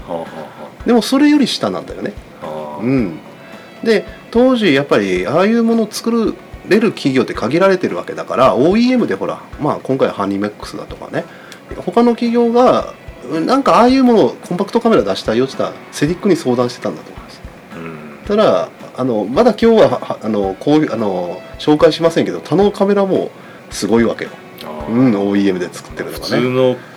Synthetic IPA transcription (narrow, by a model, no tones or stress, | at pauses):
h | d̪e̞mo̞so̞ɾe̞jo̞ɾʲiɕi̥t̪anã̰nd̪ajo̞̰ne̞ | ɯ̟̃ɴ | d̪e̞t̪o̞ːʑijapːaɾʲiaːjɯ̟ːmo̞no̞ːt͡sɨ̥kɯ̟ɾɯ̟ɾe̞ɾɯ̟kʲiɡʲo̞ːt̪ːe̞kaɡʲiɾaɾe̞t̪e̞ɾɯ̟βa̰ke̞d̪akaɾao̞ːiːe̞mɯ̟d̪e̞ho̞ɾa̰maːkõ̞ŋkaiβa̰hãɲʲːimekːɯ̥sɨd̪a̰t̪o̞ka̰ne̞ | ho̞kano̞kʲiɡʲo̞ːɡaɯ̃nãŋkaaːjɯ̟ːmo̞noːkʰõ̞mpakɯ̟t̪o̞kame̞ɾad̪aɕi̥t̪aijot̪t͡ɕːi̥t̪a̰ɾa̰ | se̞d̪ʲikːɯ̟ɲ̟iso̞ːd̪ãɕit̪e̞t̪ãnd̪at̪omomḁs | t̪ad̪aano̞mad̪akʲo̞ːβahːno̞koːano̞ɕo̞ːkaiɕimasẽ̞ŋke̞d̪o̞t̪ʰano̞kame̞ɾamo̞̰ː | sɨɡo̞iβa̰ke̞jo̰ | ɯ̟̃ɴo̞ːiːe̞mɯ̟d̪e̞t͡sɨ̥kɯ̥t̪ːe̞ɾɯ̟nokaneo